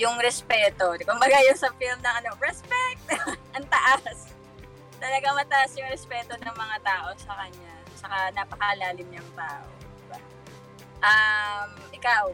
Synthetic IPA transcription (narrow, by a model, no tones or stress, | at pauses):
jʊŋɾɛspɛːt̪o̞kʊmbɐɡajʊŋsɐfilmnɐŋɐno̞ɹɛspɛk̚t̪oʔɐŋt̪ɐʔas | t̪ɐlɐɡaŋmɐt̪ɐʔasjʊŋɾɛspɛːt̪o̞nɐŋmɐŋat̪aːʔo̞sɐkɐɲa | t͡ʃɐkanapɐkɐlaːlɪmɲɐŋt̪aːʔo̰d̪ɪba | ʔɐmʔɪkaw